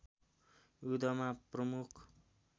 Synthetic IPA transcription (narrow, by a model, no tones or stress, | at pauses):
jud̪ʌmaprʌmukʰ